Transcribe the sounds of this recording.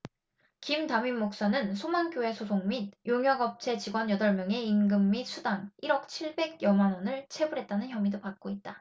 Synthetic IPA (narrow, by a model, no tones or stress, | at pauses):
kimtamimmok̚s͈anɯnsʰomank͈joe̞sʰosʰoŋmid̚joŋjʌɡʌp̚t͡ɕʰe̞t͡ɕiɡwʌnjʌdʌɭmjʌŋe̞inɡɯmːisʰudaŋiɾʌk̚t͡ɕʰiɭbe̞ɡ̚jʌmanwʌnɯɭt͡ɕʰe̞bɯɾɦe̞t̚t͈anɯnçjʌmidopak̚k͈oit̚t͈a